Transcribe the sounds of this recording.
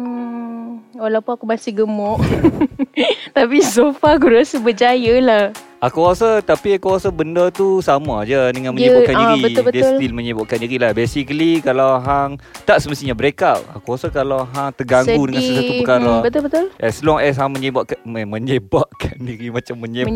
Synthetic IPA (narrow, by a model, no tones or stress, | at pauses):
walawpunakumasiɡəmɔʔ | t̪apisofakuɾasəbəd͡ʒajəlah | ʔakuasət̪apiakuasəbəndət̪usamad͡ʒədəŋanməɲəakaniɾibəbədaʊslt̪ilməɲebaʔkandiɾilahbesikəlikalawɦaŋt̪aʔsəməst̪iɲabəɾekaʔa̰kuasəkalawɦaŋt̪ərɡaŋɡudəŋãnsəsatupəkaɾabət̪ʊlbət̪ʊlʔɛsluaŋɛs̬ɦaŋməɲəbaʔkamə̃ɲebaʔkʰandiɾimat͡ʃamːəɲ